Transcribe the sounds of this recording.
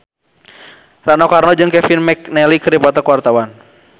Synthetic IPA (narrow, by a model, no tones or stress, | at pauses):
ranɔkarnɔd͡ʒɨŋkɛfinmɛknɛlikɨrdipɔt̪ɔkuwart̪awan